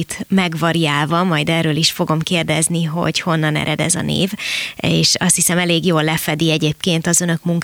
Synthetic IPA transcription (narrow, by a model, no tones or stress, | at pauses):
t̪mɛɡʋɒɾiaːlvɒmɒjd̪ɛːrøːliʃfo̞ɡo̞mkeːrd̪ɛzniɦo̞̰ɟho̞nːɒnɛ̰ɾɛd̪ɛ̰zɒ̰nḛːveːʃɒ̰st̪hisɛmɛleːɡjoːlːɛfɛd̪iɛɟeːp̚keːnt̪ɒzønø̞kmuŋk